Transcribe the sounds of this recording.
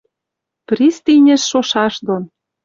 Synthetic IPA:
prist̪inʲɘ̆ʃːoʃɑʃd̪on

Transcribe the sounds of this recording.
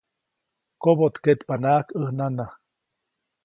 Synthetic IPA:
kobot̪ket̪panaʔkəhnana

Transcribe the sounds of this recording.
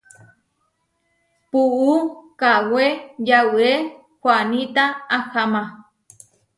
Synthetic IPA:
puukawejawue | kʷwanit̪aːhamã

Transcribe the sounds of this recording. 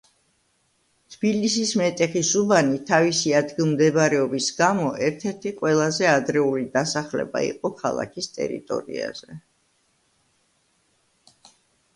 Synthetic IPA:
t̪ʰb̥ilisismɛt̪ʼɛχisubanit̪ʰavisiad̪ɡilˠmd̪ɛbaɾɛɔbisɡamɔʔɛɾt̪ʰɛɾt̪ʰiqʼwɛlˠazɛad̪ɾɛulid̪asaχlɛ̰ba̰ḭqʼɔkʰa̰lˠa̰kʰist̪ʼɛ̰ɾḭt̪ʼɔ̰ɾḭa̰z̥ɛ

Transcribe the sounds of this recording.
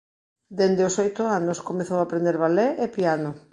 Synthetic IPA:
d̪end̪eosojt̪ʊanʊskomeθowapɾend̪eɾβalɛʔepianʊ

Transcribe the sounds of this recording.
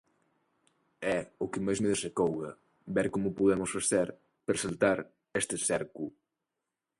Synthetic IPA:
ɛʊkɪmajzmeðesekowɣɐ̰ | bɛɾkomʊpuðɛmʊsfaθeɾ | peɾsalt̪aɾ | est̪ɪsɛɾku

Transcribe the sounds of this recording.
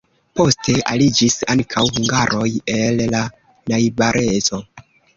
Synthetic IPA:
po̞ste̞a̰lid͡ʒisaŋkʰawhuŋɡaɾʔo̞je̞lːa | najbaɾʔezo̞

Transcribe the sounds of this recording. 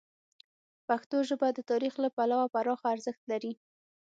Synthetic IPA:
paxt̪oʒəbad̪ət̪ɑɾixlapalawapaɾɑxaːɾzəxt̪laɾi

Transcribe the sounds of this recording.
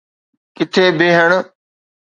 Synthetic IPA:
kɪt̪ʰeːbeːɦəɳ

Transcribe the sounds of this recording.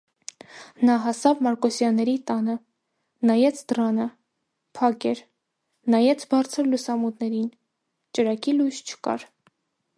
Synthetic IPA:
nɑɦɑsɑvmɑɾkɔsjɑnːɛɾit̪ɑnə | nɑjɛt͡sʰd̪ɾɑnə | pʰɑkɛɾ | nɑjɛt͡sʰbɑɾt͡sʰəɾlusɑmut̪nɛɾin | t͡ʃəɾɑkilujʃt͡ʃʰə̥kɑ̰ɾ

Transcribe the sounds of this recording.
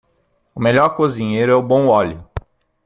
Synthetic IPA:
ʊmeʎɔɾkozĩɲejɾʊɛʊbõw̃ɔlʊ

